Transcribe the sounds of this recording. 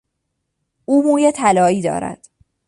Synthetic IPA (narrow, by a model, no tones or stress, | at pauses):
ʔuːmuːjet̪ʰælɒːiːd̪ɒ̰ːɾæ̰d̪̥